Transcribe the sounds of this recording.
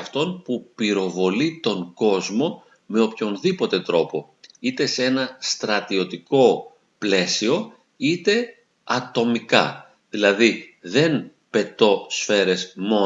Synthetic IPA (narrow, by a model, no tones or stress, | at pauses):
ɐft̪o̞npupiɾo̞vo̞lit̪o̞ŋɡo̞zmo̞ | me̞o̞pço̞nðipo̞t̪e̞t̪ɾo̞po̞ | it̪e̞se̞nɐst̪ɾɐt̪io̞t̪iko̞ | ple̞sio̞ | it̪e̞ | ɐt̪o̞mikɐ̰ | ðilɐðiðe̞n | pe̞t̪o̞sfe̞ɾe̞zmo̞